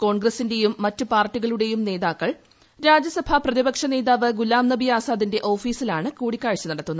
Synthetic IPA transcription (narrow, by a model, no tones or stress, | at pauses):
ko̞ːɳɡrɐsinde̞jumːɐtːɨpaːrʈːiɣɐɭuɽe̞jumne̞ːðaːkːɐɭ | ɾaːd͡ʑjɐsɐbʱɐprɐðibɐkʂɐne̞ːðaːʋɨɡulaːmnɐbijaːsaːd̪inde̞ʔo̞ːfiːsilaːɳɨkuːɽikʲːaːɻt͡ɕːɐnɐɽɐt̪ːunːɐ